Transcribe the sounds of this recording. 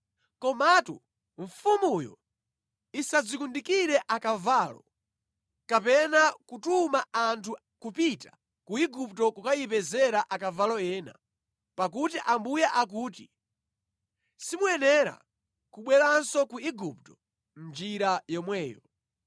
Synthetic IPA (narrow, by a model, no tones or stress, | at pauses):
kɔmatu | ɱfumujɔ̰ | isad͡zikundikiɾɛʔakavalɔ | kapɛnakutumaantʰu | kupita | kuiɡuptɔkukajipɛzɛɾaʔakavalɔɛːna̰ | pak̬utiʔambujaʔak̬uːti | simuɛnɛɾa̰ | kuɓwɛlansɔkuiɡup̚tɔ̥ | m̩nd͡ʒiɾajɔmwɛːjɔ